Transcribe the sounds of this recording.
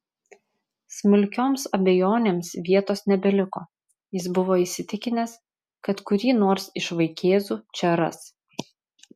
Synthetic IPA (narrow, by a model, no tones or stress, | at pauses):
smʊlʲkʲoːmsɐbʲɛjoːnʲeːmsʋʲiɛt̪oːsnʲɛbʲɛlʲɪkoː | jɪs̬bʊʋoːisʲɪt̪ʲɪkʲɪnʲɛs | kɐt̪kʊɾʲiːnoːɾsɪʃʋɐɪkʲeːzuːt͡ʃʲɛɾɐ̰s